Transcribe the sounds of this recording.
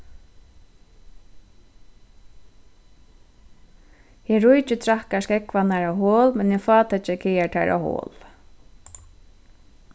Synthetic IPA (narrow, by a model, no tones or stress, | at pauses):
jɛɹʊjt͡ʃɪt̪ʰɾahkaskɛkʋanaɹawɦoːlmɛnjɛfɑːt̪at͡ʃɛkʰɛjaʈʰa̰ɹa̰who̰ːl